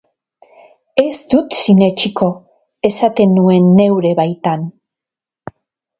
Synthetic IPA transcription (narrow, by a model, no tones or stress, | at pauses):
e̞zd̪ut̪sine̞t͡ʃiko̞ | e̞sat̪e̞nue̞nːe̞wɾe̞βajt̪an